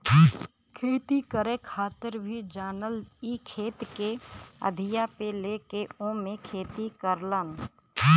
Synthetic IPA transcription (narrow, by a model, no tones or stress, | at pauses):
kʰeːt̪ikəɾekʰaːt̪əɾbʱid͡ʒaːnəlikʰeːt̪keə̰d̪ʱɪjapelekeõmẽkʰeːt̪ikəɾlən